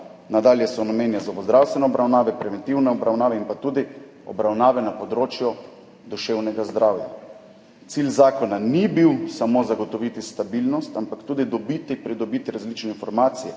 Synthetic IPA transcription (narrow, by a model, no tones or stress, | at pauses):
nad̪aːljɛsɔnameːnjazaɔʋɔzd̪ɾawst̪ʋɛnɛɔbɾawnaːʋɛpɾɛʋɛnt̪iwnɛɔbɾawnaːʋɛinpat̪uːd̪i | ɔ̰bɾawnaːʋɛnapɔd̪ɾoːt͡ʃjɔ | d̪uʃeːwnɛɡazd̪ɾawja̰ | t̪silzaːkɔnanibiwsamozaɡɔt̪ɔʋit̪ist̪abilnɔst̪ampakt̪uːd̪id̪ɔbit̪ipɾid̪ɔbit̪iɾazlit͡ʃnɛinfɔɾmaːt̪sijɛ